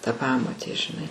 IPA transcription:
tɐ ˈpɑːmoːtʲeː ʒʲɪˈnɐɪ

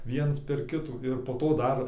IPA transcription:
ˈʋʲiɛns pʲɛr ˈkʲɪtuː ɪr poː ˈtoː ˈdɐr

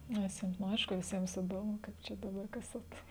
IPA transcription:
ˈnʲɛs jiɛm nʊ ˈɐɪʃkʊ ʋʲɪˈsʲiɛms ɪˈdoːmʊ ˈkɐɪp ˈt͡ʃʲɛ dɐˈbɐr ˈkɐs ɐt

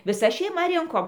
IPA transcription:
ʋʲɪˈsɐ ʃʲɛɪˈmɐ ˈrʲɪŋkoːm

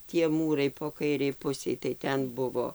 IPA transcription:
tʲiɛ ˈmuːrɐɪ poː ˈkɐɪrʲɛɪ ˈpʊsʲɛɪ tɐɪ ˈtʲɛn ˈbʊʋoː

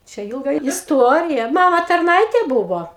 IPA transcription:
ˈt͡ʃʲɛ ˈɪlˠɡɐ ɪsˈtuɔrʲɪjɛ ˈmɑːmɐ tɐrˈnɐɪtʲeː ˈbʊʋoː

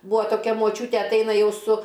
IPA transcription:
ˈbuːɐ toːˈkʲɛ moːˈt͡ʃʲuːtʲeː ɐtˈɐɪnɐ ˈjɛʊ sʊ

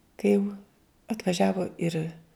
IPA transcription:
kɐɪ jɛʊ ɐtʋɐˈʒʲæːʋoː ɪr

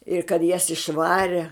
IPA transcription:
ɪr kɐt jɛs ɪʃˈʋɑːrʲɛ

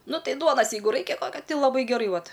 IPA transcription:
ˈnʊ ˈtɐɪ ˈduɔnɐs ˈjɛɪɡʊ ˈrɐɪkʲɛ ˈkɐt ɪ lˠɐˈbɐɪ ɡʲɛˈrɐɪ ˈʋɐt

